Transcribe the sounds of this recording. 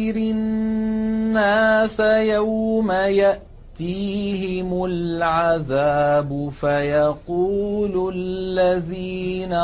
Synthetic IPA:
ɪɾɪ | aːsajawmajaʔ | t̪iːɦɪmʊlʕaðaːbʊfajɑquːlllːaðiːna

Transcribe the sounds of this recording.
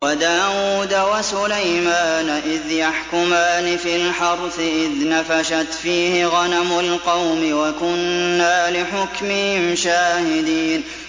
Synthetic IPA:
wad̪aːwuːd̪awasʊlajmaːnʔɪðjaħkʊmaːnɪfilħɑɾˤfɪʔɪðnafaʃat̪fiːhɪɣanamʊlqɑwmɪwakʊnːaːlɪħʊkmɪhɪmʃaːhɪd̪iːn

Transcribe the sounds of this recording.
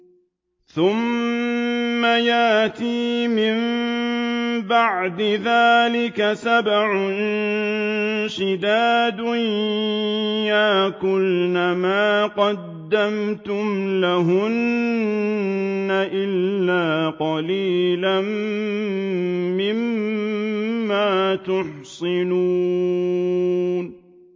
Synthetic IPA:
θʊm | ajaʔʔt̪iːmɪm | baʕd̪ɪðaːlɪkasabʕʊn | ʃɪd̪aːd̪ʊn | jaːkʊlnamaːqɑd̪ːamt̪ʊmlaɦʊn | aʔɪlːaːqɑliːlan | mɪm | aːt̪ʊħsɪnuː | n

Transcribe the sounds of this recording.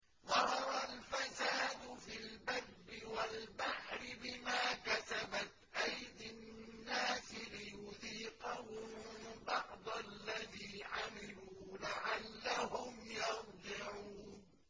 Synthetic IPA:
ðˤɑhɑɾˤalfasaːd̪ʊfilbarːɪwalbaħɾɪbɪmaːkat̪abat̪ʔajd̪ɪnnːaːsɪlɪjʊðiːqɑhʊmbɑʕd̪ˤɑlːaðiːʕamɪluːlaʕalːaɦʊmjɑtˤd͡ʒɪʕuːn

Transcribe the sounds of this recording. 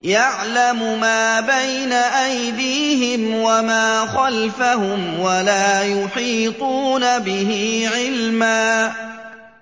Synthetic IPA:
jaʕlamʊmaːbajnaʔajd̪iːhɪmwamaːxalfahʊmwalaːjʊħiːt̪ˤuːnabɪɦiʕɪlmaː

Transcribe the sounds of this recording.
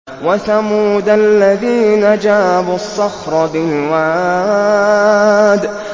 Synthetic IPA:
waθamuːd̪alːaðiːnad͡ʒaːbʊɑsˤːɑxɾˤɑd̪ɪlwaʕa | d̪

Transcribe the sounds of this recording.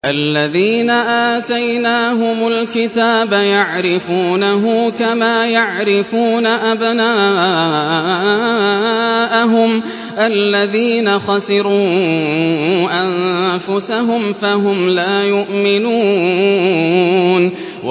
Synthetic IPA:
ʔalːaðiːnaʔaːt̪ajnaːɦʊmʊlkɪt̪aːbajaʕɾɪfuːnaɦʊkamaːjaʕɾɪfuːnaʔabnaː | ʔaɦʊm | ʔalːaðiːnaxɑsɪɾuː | ʔanfʊsaɦʊmfaɦʊmlaːjʊʔmɪnuː | n

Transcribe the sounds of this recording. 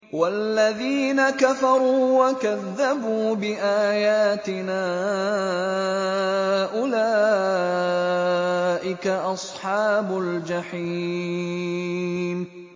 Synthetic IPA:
walːaðiːnakafɑɾˤuːwakaðːabuːbɪʔaːjaːt̪ɪnaː | ʔʊlaː | ʔɪkaʔɑsˤħɑːbʊld͡ʒaħiː | m

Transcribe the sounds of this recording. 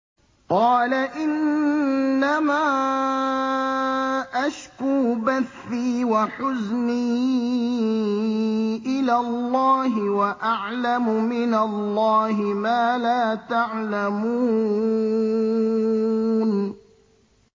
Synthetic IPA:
qɑːlaʔɪnː | amaː | ʔaʃkuːbaθːiːwaħʊzniː | ʔɪlaːlˤːɑːɦɪwaʔaʕlamʊmɪnalːɑːɦɪmaːlaːt̪aʕlamuː | n

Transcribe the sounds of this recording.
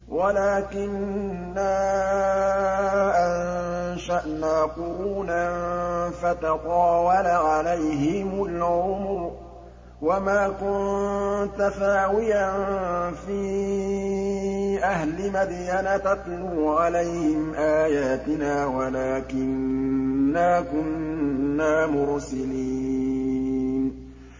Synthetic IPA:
walaːkɪnː | a | ʔanʃaʔnaːqʊɾuːnanfat̪ɑqɑːwalaʕalajɦɪmʊlʕʊmɾ | wamaːkʊnt̪asaːwɪjanfiː | ʔahlɪmad̪janat̪at̪ˤluːʕalajhɪmʔaːjaːt̪ɪnaːwalaːkɪnː | aːkʊnːaːmʊɾsaliː | n

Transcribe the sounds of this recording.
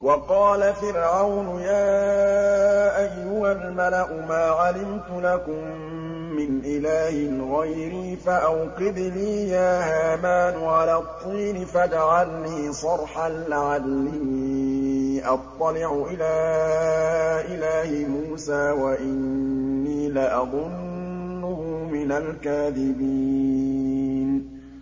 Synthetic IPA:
wɑqɑːlafɪɾʕawnʊjaː | ʔajːʊhalmalaʔʊmaːʕalɪmt̪ʊlakʊmː | ɪnʔɪlaːhɪɣajɾiːfaʔawqɪd̪niːjaːhaːmaːnʊʕalaːt̪ˤːiːnɪfad͡ʒaʕalniːsˤɑɾˤħalːʕadːiː | ʔɑt̪ˤːɑlɪʕʊʔɪlaː | ʔɪlaːhɪmuːsaːwaʔɪnːiːlaʔɑðˤʊnː | ʊhʊmɪnalkaːðɪbiː | n

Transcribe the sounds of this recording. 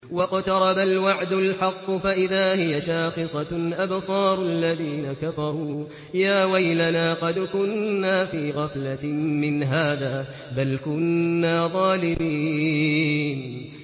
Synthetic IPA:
wɑqt̪ɑɾˤɑbalwaʕd̪ʊlħɑqːʊfaʔɪðaːhɪjaʃaːxɨsˤɑʔabsˤɑːɾˤʔalːaðiːnakafɑɾˤuː | jaːwajlanaːqɑd̪kʊnːaːfiːɣɑflamɪnɦaːðaː | balkʊnːaːðˤɑːlɪmiː | n

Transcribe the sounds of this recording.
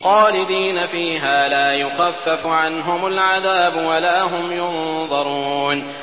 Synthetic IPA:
xɑːlɪd̪iːnafiːɦaːlaːjʊxafːafʊʕanɦʊmʊlʕaðaːbʊwalaːɦʊmjʊnðˤɑɾˤuːn

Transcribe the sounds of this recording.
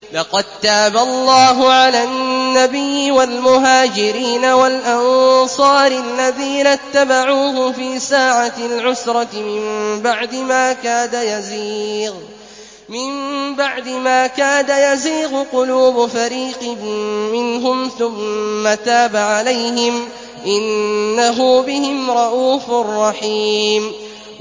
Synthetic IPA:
lɑqɑd̪̚t̪aːbalˤːɑːɦʊʕalaːnːabɪjːɪwalmʊɦaːd͡ʒɪɾiːnawalʔɑnsˤɑːɾʔalːaðiːnat̪ːabaʕuːhʊfiːsaːʕaɪlʕʊsɾˤɑtɪmɪmbaʕd̪ɪmaːkaːd̪ajazɣ | mɪmbaʕd̪ɪmaːkaːd̪ajaziːɣʊqʊluːbʊfaɾiːqɪːɪnɦʊmθʊmːat̪aːbaʕalajɦɪm | ʔɪnːaɦʊbɪhɪmɾˤɑʔuːfʊrˤːɑħiːm

